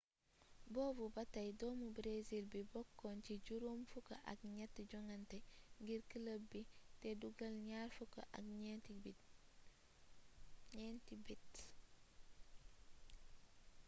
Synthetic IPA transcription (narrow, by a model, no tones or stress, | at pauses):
boːbubɐtɐjdoːmubɾezilbibɔkːonciɟuɾumfukɐ̰ʔa̰kɲetːɟɔŋanteŋɡiɾkiləbiteduɡɐlɲaːɾfukɐ̰ʔa̰kɲebi | ɲentibit